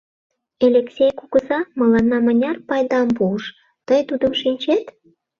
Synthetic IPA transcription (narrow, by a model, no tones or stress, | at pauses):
elʲeksʲejkuɣə̆zɑmə̆lɑnːɑmənʲɑrpɑjd̪ɑmpuʃ | t̪əjt̪ud̪əmʃinʲt͡ɕet̪